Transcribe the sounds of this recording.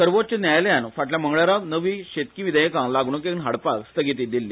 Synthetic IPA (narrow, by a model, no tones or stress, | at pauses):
səɾʋot̪̚t͡ɕənjajljanfaʈljaməŋɡɭjaɾanəʋiːɕet̪kĩʋid̪əjkãŋlaɡɳukekɳɦaɽpakst̪əɡit̪̬iːd̪ilːi